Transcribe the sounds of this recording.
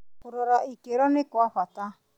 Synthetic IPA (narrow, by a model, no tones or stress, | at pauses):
kuɾɔɾaʔikeɾɔnekwaɸat̪a